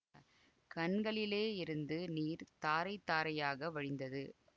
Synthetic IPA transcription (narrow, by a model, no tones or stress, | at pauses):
kɐɳɡɐɭɪleːɪɾɯnd̪ɯniːɾt̪aːɾɐɪt̪ːaːɾɐjaːɣɐʋɐɻɪnd̪ɐðɯ